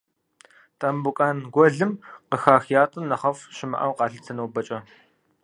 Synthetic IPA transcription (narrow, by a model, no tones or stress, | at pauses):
tʼɐmbukʼaːnɡʷɔɮɨmqəxaːxjaːtʼɨmnːɐχɐfʃɪmɐ̰ʔɐ̰wqɑːɬɨtʰɨnɐwbɐt͡ʃʼɐ